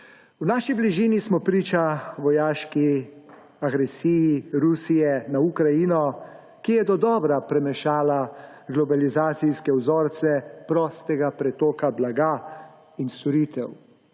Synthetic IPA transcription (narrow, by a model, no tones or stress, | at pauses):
wnaːʃibliʒiːnismɔpɾiːt͡ʃaʋɔjaːʃki | aɡɾɛsiːjiɾusijɛnaukɾajinɔ | kijɛd̪ɔd̪ɔːbɾapɾɛmɛʃaːla | ɡlɔbalizaːt̪sijskɛwzɔːɾt̪sɛpɾɔːst̪ɛɡapɾɛt̪oːkablaɡaː | inst̪ɔɾiːt̪ɛw